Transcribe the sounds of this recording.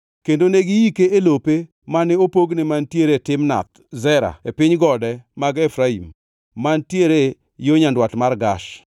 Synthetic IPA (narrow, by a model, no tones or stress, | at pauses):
kendoneɡɪjikeelope | manɪopoɡnɪmantjeɾetɪmna̰t̪̚ | zɛɾa̰epɪɲɡɔdɛmaɡefɾaḭmː | antjeɾe | joɲandwatmarɡaʃ